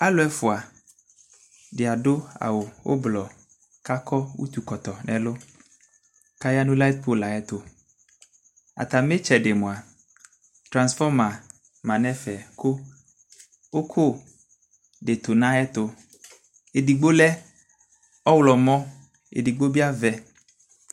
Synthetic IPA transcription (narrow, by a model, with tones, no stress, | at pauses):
a˦lʊ˨˦ɛ˦fʊ˨a˨ | dɪ˨a˨dʊ˦a̰˨wʊ˨wo̰˦blɔ˨ | ka˦kʰɔ˦wṵ˦t̪u˨kɔ˨t̪ɔ˨nɛ̃˨lʊ˦ | ka˦ja˦nʊ̃˦la˦t̪̚pʰo˦la˨ɛ˦t̪ʊ˦ | a̰˨t̪a˨m˦e˦t͡ʃɛ˨de˨mʊ̃˨a˨ | t̪ɾã˨nsfɔ˦mã˨ | mã˨nɛ̃˦fɛ˨kʰʊ˦ | o˦kʰo˦˨ | ɖe˨t̪o˨nã˦ɛ˦t̪ʊ˦ | e˨di˨ɡ͡bo˦lɛ˦ | ɔ˦wlɔ˨mɔ̃˦ | ḛ˨di˨ɡ͡bo˦bi˦a˦vɛ˦